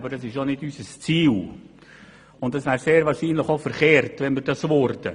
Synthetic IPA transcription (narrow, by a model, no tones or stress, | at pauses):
bəɾd̥ɑsɪʃonɪdysəst͡siːl | ʊnt̚dɑsʋæːɾseːɾvɑːɾʃiːnləχofəɾχeːɾtvɛnməɾdɑsʋʊɾdə̰